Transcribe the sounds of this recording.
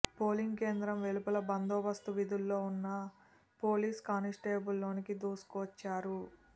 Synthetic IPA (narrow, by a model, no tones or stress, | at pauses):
po̞ːliŋɡke̞ːnd̪ɾɐmʋelupɐlɐbɐnd̪ɔːbɐst̪uʋid̪ulːo̞ːunːɐ | po̞ːliːskaːnisʈeːbulːo̞ːnikid̪uːsu̥kɔʋɐt͡ʃːaːɾu